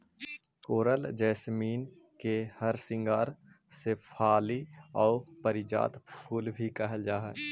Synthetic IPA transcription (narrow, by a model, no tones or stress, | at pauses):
koːɾəld͡ʒɛːsmiːn | kehɐɾsɪ̃ŋɡaːɾ | sepʰaːliɔːpəɾɪd͡ʒa̰ːt̪pʰuːlbʱikɛɦəld͡ʒaːɦɛ̰ː